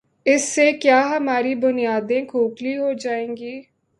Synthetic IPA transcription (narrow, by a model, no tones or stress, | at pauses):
ɪsːeːkjaːɦəmaːɾiːbʊnɪjaːd̪ẽːkʰoːkliːɦoːd͡ʒaːẽːŋɡiː